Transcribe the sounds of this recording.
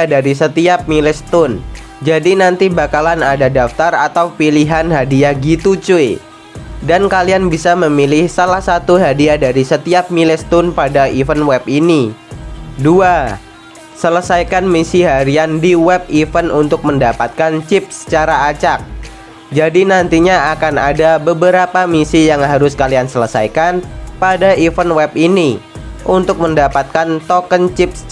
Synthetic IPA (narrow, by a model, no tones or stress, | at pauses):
adaɾisət̪iap̚milɛst̪ʊn | d͡ʒadinant̪ibakalanadadaft̪arat̪awpiliɦanɦadiaɡit̪ut͡ʃuj | dankalianbisaməmilɪhsalahsat̪uɦadiadaɾisət̪iap̚milɪst̪ʊnpadaʔifənwɛpini | dua | sələsajkanmisiɦaɾiandiwɛp̚ifənunt̪ʊk̚məndapat̪̚kant͡ʃɪp̚sə̥t͡ʃaɾaːt͡ʃak̚ | d͡ʒadinant̪iɲaakana̰dabəbəɾapamisijaŋɦaɾʊskaliansələsa̰jkanpadaifənwɛpini | ʔunt̪ʊk̚məndapat̪̚kant̪okənt͡ʃɪp̚s